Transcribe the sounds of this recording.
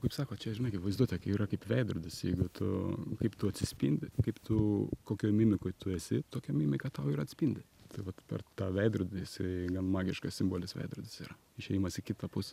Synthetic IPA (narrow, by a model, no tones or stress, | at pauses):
kɐɪpsɑːkoːt͡ʃʲɛʒʲɪnɐɪkʲɪtʋɐɪzd̪uɔt̪ʲɛkʲiːɾɐkɐɪpʋʲɛɪd̪ɾʊd̪ʲɪsjɛɪɡʊt̪ʰʊ̰kɐɪpt̪ʊɐt̪ʲsʲɪsʲpʲḭnʲd̪ʲɪkɐɪpt̪ʊkoːkʲojmʲimʲɪkojt̪ʊɛsʲɪt̪oːkʲɛmʲimʲɪkɐtt̪ɐʊiːɾɐtʲsʲpʲinʲd̪ʲɪ | t̪ɐɪʋɐt̪pʲɛ̰rt̪ɑːʋʲɛɪd̪ɾʊd̪ʲɪɪsɐɪɡɐnmɑːɡʲɪʃkɐssʲɪmboːlʲɪsʋɛ̰ɪd̪ɾʊd̪ʲɪsiːɾɐ | ɪʃʲɛjimɐsʲɪkʲɪt̪ɐpʊsʲɛ̥